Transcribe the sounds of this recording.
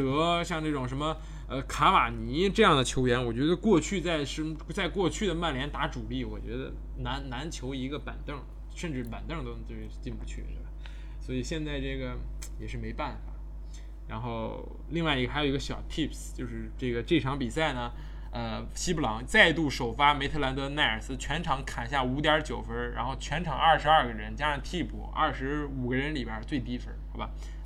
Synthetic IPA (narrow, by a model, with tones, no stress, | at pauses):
t̪ɤ˧˥ɕjɑ˥˧ŋnɤ˥˩ʈ͡ʂʊ˨˩ŋʂ̬ə˧˥nmə˧ | ə˧kʰa˧˥ma˨˩ni˧˥ʈ͡ʂɤ˥˧jɑ˥˩ŋd̪ə˩t͡ɕʰjo˧˥ʊɥɛ˧˥nwɔ˨˩t͡ɕɥɛ˧˥d̪ə˧kwɔ˥˧t͡ɕʰy˥˧t͡sa˥˩ɪʂə˧˥t͡sa˥˧ɪkwɔ˥˧t͡ɕʰy˥˩d̪ə˩ma˥˩nljɛ˧˥nt̪a˧˥ʈ͡ʂu˨˩li˥˩wɔ̰˨˩t͡ɕɥɛ˧˥d̪ə̰˧ | na˧˥nna˧˥nt͡ɕʰjo˧˥ʊi˧˥ɡə˧pə̰˨˩nt̪ɤ˥˩ŋ | ʂə˥˧nʈ͡ʂɻ̩˥˩pa̰˨˩nt̪ɤ˥˩ŋt̪o˥ʊ˧t͡ɕo˥˧ʊʂɻ̩˥˧t͡ɕi˥˩npu˧˥˩t͡ɕʰy̰˥˩d̪ə˨ | swɔ˧˥i˨˩ɕjɛ˥˧nt͡sa˥˧ɪʈ͡ʂɤ˥˩ɡə˩ | jɛ˨˩ʂɻ̩˥˩me˧˥ɪpa˥˩nfa̰˨˩˦ | ɻa˧˥nxo˥˩ʊ | li˥˧ŋwa˥˩ɪi˧˥ə˧xjo˨˩i˥ɡə˧ɕjɑ˨˩ʊt̪ʰi˥˩pst͡ɕjo˥˧ʊʂɻ̩˥˧ʈ͡ʂɤ˥˩ɡə˩ʈ͡ʂɤ˥˩ʈ͡ʂʰɑ˧˥ŋpi˨˩sa˥˩ɪnə˩ | ə˧ɕi˥pu˥˩lɑ˧˥ŋt͡sa˥˧ɪ˧t̪u˥˩ʂo˨˩ʊfa˥me˧˥ɪt̪ʰɤ˥˧la˧˥nt̪ɤ˧˥na˥˩ə˞˨˩sɹ̩˥t͡ɕʰɥɛ˧˥nʈ͡ʂʰɑ˧˥ŋkʰa˨˩nɕ̬ja˥˩u˧˥t̪jɑ˧˥t͡ɕjo˨˩ʊfə˥ɻa̰˧˥nxo˥˩ʊt͡ɕʰɥɛ˧˥nʈ͡ʂʰɑ˨˧˥ŋɐ˥˩ʂɻ̩˧˥ɐ˥˧ɡə˩ɻə˧˥nt͡ɕja˥˧˥t̪ʰi˥˧pṵ˨˩ɐ̰˥˩ʂɻ̩˧˥u˨˩ɡə˦ɻə˧˥nli˨˩jə˞˥˧˩t͡swe˥˩ɪt̪i˥fə˧˥xa˥˧˩ba˩